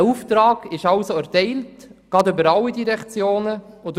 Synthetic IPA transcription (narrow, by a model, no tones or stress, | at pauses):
uftɾɑːɡ̥ɪʃɑlsoæɾtɛɪltɡ̥ɑdøbəɾɑlːidiɾɛkt͡sjoːnəʊt